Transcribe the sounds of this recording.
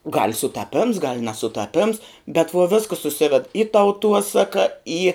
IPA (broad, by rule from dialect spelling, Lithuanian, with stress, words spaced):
ɡɐlʲ sʊtɐˈpʲɪms ɡɐlʲ nʲɛsʊtɐˈpʲɪms bʲɛt ʋuɔ ˈʋʲɪskəs sʊˈsʲɪʋʲɛt ɪ tɐʊˈtuɔsɐkɐ iː